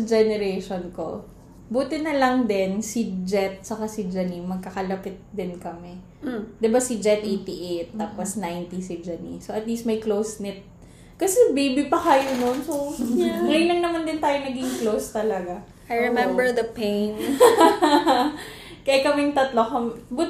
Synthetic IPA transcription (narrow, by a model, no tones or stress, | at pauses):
ɐd͡ʒɛnɛɾejʃonko̰ | buːt̪ɪnɐlɐŋd̪ɛnsid͡ʒɛt̪̚sɐkasɪd͡ʒɐnimɐɡ̚kɐkɐlɐpɪt̪̚d̪ɪnkɐmɛ | d̪ɪbasɪd͡ʒɛt̪ʔejt̪iʔejt̪ːaːposnajnt̪isɪd͡ʒɐnḭsoʔɐt̪liːst̪̚mɐjklowsnɪt̪̚ | kɐsɛbejbɪpɐkɐjononsoŋɐjʊnlɐŋnɐmand̪ɪnt̪aːjonɐɡiŋklowst̪ɐlɐɡa | ajɹɛmɛ̃mbɛɹd̪ɐpen | kɐjakɐmɛŋt̪ɐt̪lokɐmbuː